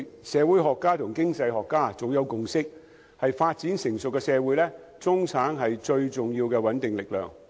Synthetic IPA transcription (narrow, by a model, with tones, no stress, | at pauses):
sɛː˨˧wuː˨˥jɦɔː˨kːaː˥t̪ʰʊ˨˩ŋkɪ˥ŋt͡sɐ˧jɦɔː˨kːaː˥t͡so˨wjɐ˨˧wkʊ˨ŋsɪ˥k̚ | hɐ˨jfaː˧t̚t͡siː˨˥nsɪ˨˩ŋsɵ˨kːɛ˧sɛː˨˧wuː˨˥jlɛː˥ | t͡sʊ˥ŋt͡sʰaː˨˥ŋɦɐ˨jt͡sɵ˧ɥt͡sʊ˨ŋjiː˧wkɛː˧wɐ˨˥nt̪ɪ˨ŋlɪ˨k̚lœ̰ː˨ŋ